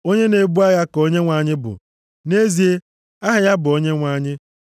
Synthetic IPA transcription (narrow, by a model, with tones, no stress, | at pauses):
o˦ɲe˦ne˨bu˦a˦ɣa˦ko˦ɲe˦ŋʷa˨ɲɪ˦bʊ̰˨ | ne˦zi˨e˦ | a˦ɦɪ˨ja˦bʊ˨o˦ɲe˦ŋʷa˦˨ɲɪ˦